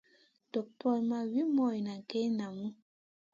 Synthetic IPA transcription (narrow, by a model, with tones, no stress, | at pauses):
to˨k̚pɔ˦˨lma˨wi˦mɔ˨ji˨na˨ke˦na˨mu˦